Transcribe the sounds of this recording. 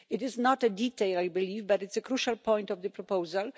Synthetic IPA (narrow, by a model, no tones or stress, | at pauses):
ɪtɪznɔtɛditeɪlajbilivbatɨtsɛkɾuʃalpʰɔ̃j̃ntɔvðəpɾɔpowzal